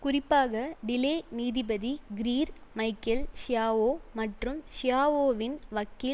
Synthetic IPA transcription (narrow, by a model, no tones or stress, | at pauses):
kʊrɪpːaːɣɐɖɪleːniːðɪbɐðiɡɪɾiːɾmɐɪkːɐlʂɪjaːʋoːmɐʈrɯmʃɪjaːʋoːʋɪnʋɐkːɪ